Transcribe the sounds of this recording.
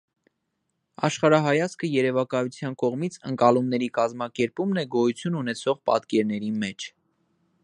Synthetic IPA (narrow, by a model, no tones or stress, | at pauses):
ɑ̰ʃχɑɾɑɦɑjɑt͡skʰəjɛɾɛvɑkɑjut͡sʰjɑnkɔʁmit͡sʰəŋkɑlumnɛɾikɑzmɑkɛɾpumnɛɡɔjut͡sʰjununɛt͡sʰɔʁpɑ̰t̪kɛɾnɛɾimɛt͡ʃʰ